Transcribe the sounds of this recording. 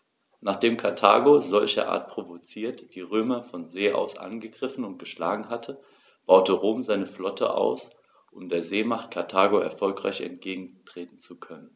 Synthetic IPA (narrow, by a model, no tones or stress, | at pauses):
naːχd̥eːmkʰaɐtʰa̰ːɡozɔlçɐ̰ʔa̰ːɐt̚pʁ̥ovot͡siːɐtd̥iːʁøːmɐfɔnzeːʔa̰ʊsʔa̰nɡəɡʁɪfn̩ʊnt̚ɡ̥əʃla̰ːɡŋ̩ɦatʰə | b̥aʊtəʁoːmzaɪnəflɔtʰə̰ʔa̰ʊs | ʔʊmdeːɐzeːmaχt̚kʰaɐtʰaːɡoɛ̰ɐfɔlkʁ̥a̰ɪçɛ̰ntɡ̥eːɡŋ̩tʁ̥eːtn̩t͡sukʰœnən